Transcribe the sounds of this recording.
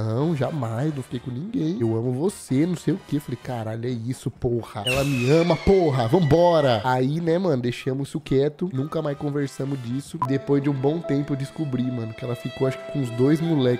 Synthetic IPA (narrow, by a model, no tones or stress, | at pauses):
ɐ̃w̃ʒamajsznɐ̃w̃fi̥kejkõnĩɡẽj̃ewɐ̃mʊvosenɐ̃w̃sejʊkeewfalejkaɾaʎʊɛisʊpohɐɛlɐmɪɐ̃mɐpoɦɐvɐ̃mʊbɔɾɐainɛmɐ̃nʊd̪ejʃɐ̃mʊisʊkɛt̪ʊnũkɐmajskõveɾsɐ̃mʊzd͡ʒisʊd̪epojzd͡ʒɪũbõw̃t̪ẽmpʊewd͡ʒɪskubɾimɐ̃nʊkɪɛlɐfikowaʃkɪ̥kõʊzd̪ojzmulɛk